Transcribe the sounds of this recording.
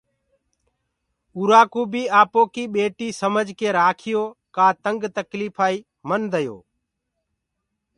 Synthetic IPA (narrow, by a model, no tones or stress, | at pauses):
uːɾaːkuːbiːaːpoːkiːɓeːʈiːsəməd͡ʒkeːɾaːkʰɪjoːkaːt̪əŋɡt̪əkliːfʰaːiː | mənd̪əjo̰ː